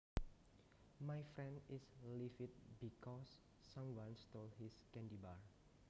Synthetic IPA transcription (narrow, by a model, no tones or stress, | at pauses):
majfɾɛ̃ndislifit̪̚bikɔsː | ãmwãnst̪olhiskɛ̃ndibaɹ